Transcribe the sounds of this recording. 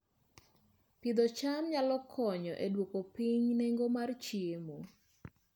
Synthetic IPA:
pid̪ɔt͡ʃamɲalɔkʰɔɲɔ̰ʔedwokopiɲneŋɡomart͡ʃiemo

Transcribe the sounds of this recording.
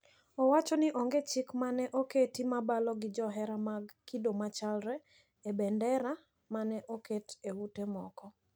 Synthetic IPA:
ɔwat͡ʃɔnɪʔɔŋɡet͡ʃɪkmanɛʔoketimabalɔɡɪd͡ʒɔɦɛɾamaɡkidomat͡ʃalɾɛ | ebɛndɛɾa | manɛʔoketewutemɔkɔ

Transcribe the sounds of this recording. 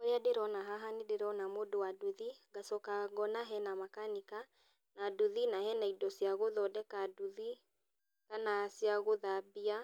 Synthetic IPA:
ɔjadeɾɔnaɦaɦanideɾɔnamodowaduðiɡasɔkaɡɔnaɦɛnamakanika | naduðinahɛnaidɔsiaɣoðɔdɛkaduði | kanasjaɣoðabia

